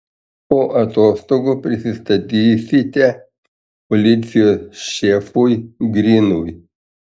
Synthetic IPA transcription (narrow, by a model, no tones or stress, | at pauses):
poːʔɐt̪oːst̪oːɡopʲɾʲɪsʲɪst̪ɐt̪ʲiːsʲɪt̪ʲɛ | pɔlʲɪt̪sʲɪjoːsʃʲefuːjɡɾʲiːnuj